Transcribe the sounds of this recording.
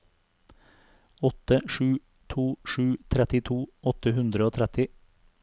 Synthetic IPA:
ɔt̪əʃʉː | t̪ʰuːʃʉːt̪ʰɾɛt̪ɪt̪ʰuːɔt̪əhʉnd̪ɾəoːt̪ʰɾɛt̪ɪ

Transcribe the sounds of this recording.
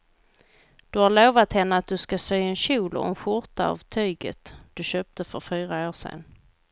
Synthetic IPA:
d̪̥ɵhaɭoːvat̪hɛnːəat̪̚d̪ɵskasœːɛnɕuːlɔ̰ɛnɧʊɾt̪a̰a̰vt̪ʰyːɡə̰t̪d̪̥ɵɕøːp̚t̪əfœɾfyːɾaoːʂɛ̰n

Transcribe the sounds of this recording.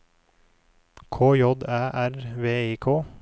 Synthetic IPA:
kʰoːjɔd̪æːʔæɾʋeːiːkʰoː

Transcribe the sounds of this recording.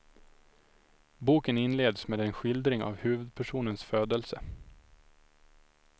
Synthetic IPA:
buːkənɪnleːd̪smeːd̪ɛnɧɪld̪ɾɪŋa̰vhʉ̟ːvɵd̪̚pʰæʂuːnənsføːd̪əlsə

